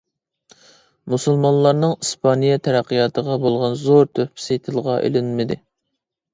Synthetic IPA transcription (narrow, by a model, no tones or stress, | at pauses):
musulˠmɑnlˠɑɾnɨŋispʰɑnijɛt̪ʰɛɾæqːijɑːt̪ʰəʁɑbolˠʁɑnzoɾt̪ʰøpʰsejt̪ʰɨlˠəʁɑʔḛlɪnmɪd̪ɪ